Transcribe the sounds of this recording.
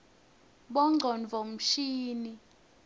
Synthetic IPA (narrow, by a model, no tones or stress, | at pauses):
ɓɔŋ͡ǀʱɔnvʱɔm̩ʃiːni